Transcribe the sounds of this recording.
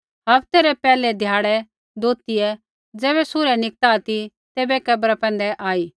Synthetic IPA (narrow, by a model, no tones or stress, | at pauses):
ɦɐpt̪eːɾɛpɛːlɛd̪ʱjaːɽɛ | d̪oːt̪iɛ | d͡zɛːβɛsʊɾɛnɪk̚t̪aːt̪i | t̪eːbɛkɐbɾapɛ̃ːnd̪ɛʔaːiː